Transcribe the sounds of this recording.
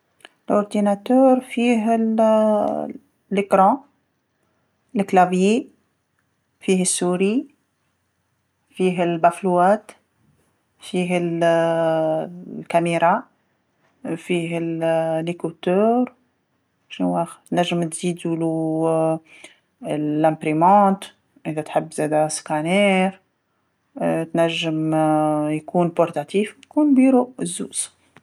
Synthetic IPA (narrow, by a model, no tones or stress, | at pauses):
lʔʊɾd̪inat̪œɾfiɦ | ləkɾɑ̃ | ləklabji | fihəsːuɾi | fiɦəlbæfluæt̪ | fiɦəl | lkæmeɾa | fiːɦɪllikut̪øːɾ | ʃnwaːxt̪næʒːɪmt̪ziːd̪ulu | æ̃mpɾimɑ̃ːt̪ | ʔɪðæt̪ħɪbːzɛːd̪askanɛːɾ | t̪næʒːɪmjkuːnpʊɾt̪at̪iːfkuːnbiːɾuʔɪzːuːz̥